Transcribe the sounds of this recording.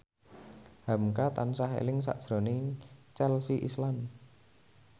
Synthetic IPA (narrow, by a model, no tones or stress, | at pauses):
hamkat̪ansaɦḛlɪŋs̬a̰ʔd̥ʒ̥ɾo̤net͡ʃɛlsiʔḭslam